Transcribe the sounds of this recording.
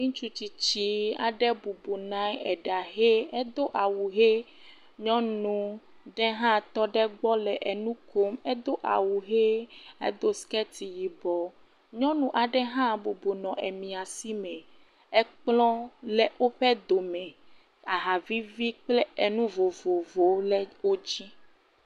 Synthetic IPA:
mĩ˦t͡ʃu˦t͡ʃi˨t͡ɕi˦a̰˨ɖɛ˦bu˨bo˨nã˦jɛ˨ɖa˨ɦe˦ɛ˦d̪o˦ʔa˨wu˨ɦe˦ | ɲɔ̃˦nũ˨ | ɖɛ˦ɦã˦t̪ɔ˦ɖɛ˦ɡ͡bɔ˦lɛ˨ʔɛ˨nũ˦ko˦mɛ˦d̪o˦ʔa̰˨wu˨ɦe˦ḛ˦d̪o˦skɛ˦t̪i˨ji˨bɔ˨ | ɲɔ̃˦nũ˨ʔa˨ɖɛ˦ɦã˦bo˨bo˨nɔ̃˨ʔɛ˨mĩ˨a˨si˦mɛ̃˨ | ɛ˦k͡plɔ̃˦lɛ˦o˦ɸɛ˦d̪o˨mɛ̃˨ | a˨ɦa˨vi˦vi˦k͡plɛ˦e˨nũ˦vo˨vo˨vo˨˦lɛ˦wo˦d͡ʑi˦

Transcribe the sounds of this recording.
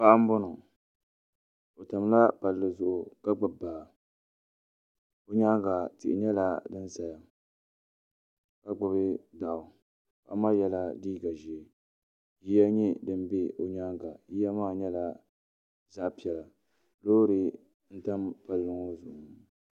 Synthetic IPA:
pa˦ʔa˦m̩˦bʊ˦nʊ˨ | o˨ta˨m˦la˦pa˨lːɨ˨zʊ˨ʔʊ˨ka˦ɡ͡bɨ˨baː˨ | o˨ɲa˦ŋɡa˨tɪ˨ʔɪ̰˨ɲɛ˦la˦dɨ˦n˦za˨ja˦ | ka˦ɡ͡bʊ˨bɪ˦da˨ʔʊ˨ | pa̰˨ʔmaː˦jɛ˦la˦diː˦ɡa˨ʒi˨ | ji˦ja˦ɲi˦dɨ˦m˦be˦o˨ɲaː˦ŋɡa˨ji˦ja˦maː˦ɲɛ˦la˦ | za˦ʔpi˦ɛ˨la˨ | loː˦ɾɪ˨ | n̩˦ta˦mpa˨lːɨ˨ŋo˦zʊ˨ʔʊ˨

